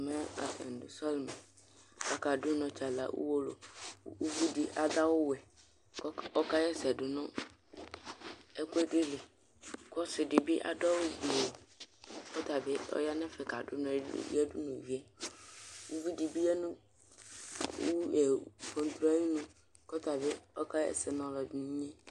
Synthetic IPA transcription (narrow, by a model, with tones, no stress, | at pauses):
mɛ˦a̰˨sɛ̰˨n˨dʊ˨sɔ˦lmɛ˨ | a˨ka˨dʊ˦nɔ̃˨t͡ʃa˨la̰˨wʔṵ˦wo˦lo̰˨˦u˦vu˦di˨ʔa˨d̪a˦wʊ˦wɛ˨˦ | ɔ˦ka˦jɛ˦sɛ˨dʊ˨nɔ̃˦ | ɛ˦kʊ˦ɛ˦dɪ˦lɪ˨ | kɔ˦sɪ˨dɪ˨bɪ˦ʔa̰˨dɔ˦wʊ˦˨bi˨o˨kɔ˦ta˨bɪ˦ɔ̰˦ja˦nɛ˦fɛ˨ka˨dʊ˦ñ̰˨˦ɛ˦dʊ˦nʊ̃˨wi˦ɛ˦ | u˦vu˦di˨bi˦jɛ˦nʊ̃˦ | ɛ˨fɔ˨n˦t̪ɾɔ˦a˦ji˦nʊ̃˦ | kɔ˦ta˨bɪ˦ɔ˦ka˦jɛ̰˦sɛ˨nɔ̃˨lɔ˨dɪ˨nĩ˦ɲɛ̃˦